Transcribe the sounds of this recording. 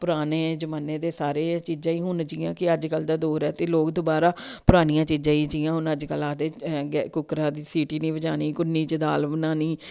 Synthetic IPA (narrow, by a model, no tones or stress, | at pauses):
pʊɾaːneːd͡ʒəmaːneːd̪eːsaːɾeːt͡ʃiːd͡ʒãːiːɦʊnd͡ʒiːãːkɪəd͡ʒkəld̪aːd̪oːɾɛːt̪eːloːkd̪oːbaːɾaːpʊɾaːnɪjãːt͡ʃiːd͡ʒãːiːd͡ʒiːãːɦʊnəd͡ʒkəlaːd̪eːɡɛkʊkɾãːd̪iːsiːʈiːnĩːbəd͡ʒaːniːkʊnːiːt͡ʃəd̪aːlbənãːniː